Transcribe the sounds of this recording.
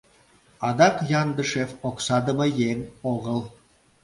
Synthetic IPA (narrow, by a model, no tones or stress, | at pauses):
ɑd̪ɑqjɑnd̪əʃefoqsɑd̪ə̆mɑjeŋoʁəlˠ